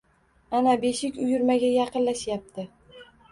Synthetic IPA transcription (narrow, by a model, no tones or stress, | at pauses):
anabe̞ʃɪkʲʊjʊɾmaɡʲajɑqɨnlaʃjap̚t̪ʰɪ